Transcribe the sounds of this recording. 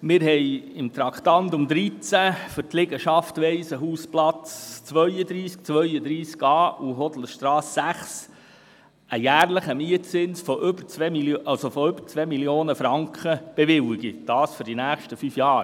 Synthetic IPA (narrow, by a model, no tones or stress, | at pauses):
mɪɾɦɛjɪmt̪ɾɑkt̪ɑntʊmd̪ɾit͡sæfʏɾtlɪɡəʃɑftʋɛɪsəɦuːsplɑt͡st͡sʋœʏəd̪ɾiːsk̚t͡sʋœʏəd̪ɾiːskɑːʔuɦɔd̪l̩ʃtɾɑːsːæχs | əjæːrləχəmiətt͡sɪnsfɔʔʏbəɾt͡sʋɛmiʔɑlsofɔʏb̥əɾt͡sʋɛmiljoːnəfɾɑŋkχəb̥eʋɪwɪɡid̥ɑːsfʏɾd̥inæːχʃtəfyːfjɑːɾ